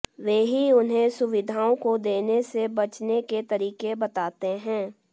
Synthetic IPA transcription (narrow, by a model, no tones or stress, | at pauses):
ʋeːɦiʊnɦẽsʊʋɪd̪ʱaːõkod̪eːnesebɐt͡ʃneket̪ɐɾiːkebɐt̪aːt̪eɦɛ̃ː